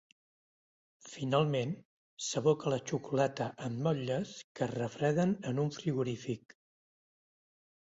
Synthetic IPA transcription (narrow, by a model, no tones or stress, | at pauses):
finalˠmen | səβ̞ɔkələt͡ʃukulɛt̪əʔəmːɔʎəskərəfɾɛðənənuɱfɾiɣuɾifik